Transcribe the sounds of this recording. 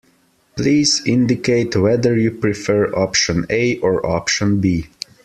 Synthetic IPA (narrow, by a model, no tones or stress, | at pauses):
pliːzɪ̃ndɪkeɪtʰwɛðəɹjupɹifɜɹɔpʃə̃neɪʔɔɹɔ̰pʃə̃nbi